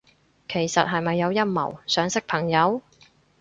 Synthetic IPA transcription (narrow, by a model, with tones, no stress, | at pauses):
kʰe˨˩jsɐ̰˨t̚ɦɐ˨jmɐ˨jːɐ˨˧wjɐ˥t̚mɐ̰˨˩wsœː˨˧ŋsɪ˥k̚pʰɐ˨˩ŋjɐ˨˧w